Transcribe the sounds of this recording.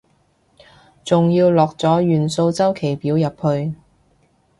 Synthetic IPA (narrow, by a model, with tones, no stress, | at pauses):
t͡sʊ˨ŋjiː˧wlɔː˨k̚t͡sɔː˨˥jyː˨nso˧wt͡sɐ˥wkʰe˨˩jpiː˨˥wjɐ˨p̚hɵ˧ɥ